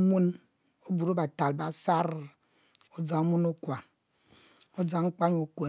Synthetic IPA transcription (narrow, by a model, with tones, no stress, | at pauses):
mu˦n | o˦bu˨ɾo˦ba˨ta˨lba˦sa˦ɾ | o˦d͡za˨o˦mu˦no˦kwa˨ | o˦d͡za˨˦ŋ͡m̩˦k͡pa˦ɲo˨kʷe˨